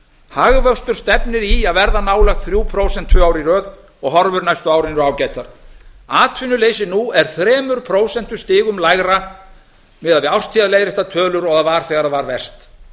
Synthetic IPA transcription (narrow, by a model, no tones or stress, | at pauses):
haɣvœst̪ʏɾ̥st̪ɛpnɪɾiaðvɛɾðanaːwlɛxt̪θɾjuːpʰɾowsɛn̥t̪ʰːvœːaːwɾiɾœːð | ɔɣɦɔɾvʏɾnajst̪ʏaːwɾɪnʏɾaːwcaːjt̪aɾ̥aːt̪ʰvʏnʏleːjsɪnuɛɾ̥θɾɛːmʏɾ̥pʰɾoːwsɛn̥t̪ʏ̥st̪ɪːɣʏmlajɣɾa | mɪðaðvɪawrst̪ʰiaðleːjðɾɪɛht̪at̪ʰœːlʏɾɔɣavaːɾ̥θɛːɣaɾavaɾvɛr̥st̪